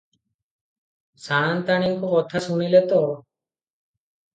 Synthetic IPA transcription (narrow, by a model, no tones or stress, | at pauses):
saːnt̪aɽ̃iŋkokɔt̪ʰasuñilet̪ɔ